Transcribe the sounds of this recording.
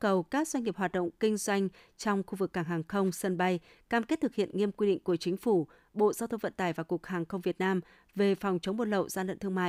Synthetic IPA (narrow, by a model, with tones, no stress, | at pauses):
kə˨˩wkaː˦˥k̚zwa˧jŋ̟ŋi˨˩əp̚haː˨˩t̚ɗə̰˧˨wŋ͡mkï˧ŋ̟zwa˧jŋ̟ | t͡ɕɔ˧wŋ͡mxu˧vɨ˨˩k̚ːaː˧˩ŋɦaː˨˩ŋxə˧wŋ͡msə˧nɓa˧j | kaː˧˩mke˦˥t̚t̪ɨ˨˩k̚hḭ˧˨ənŋi˧əmkwi˧ɗḭ̈˧˨ŋ̟ku˧˩ət͡ɕï˨˦ŋ̟fu˧˩ | ɓo̰˧˨zaː˧wt̪ʰə˧ŋ͡mvə̰˧˨nt̪aː˧˩jvaː˨˩ku˨˩ək̚haː˨˩ŋxə˧wŋ͡mvi˨˩ət̚naː˧m | ve˨˩fɔ˨˩wŋ͡mt͡ɕə˨˦ŋ͡mmɓo˧n̚lə̰˧˨wzaː˧lə̰˧˨nt̪ʰɨ˧ə˧ŋma̰ː˧˨